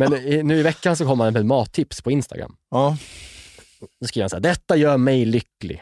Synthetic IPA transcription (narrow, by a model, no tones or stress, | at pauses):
mɛnɪnʉ̟ːɪvɛkːans̬ɔkʰɔməɾhanɛɛmɑːt̪ʰːɪpspʰɔɪnst̪a̰ɡɾa̰mː | d̪ɔskɾiːvɾansaːd̪ɛt̪ːajœːɾmɛjlʏkːlɪ̰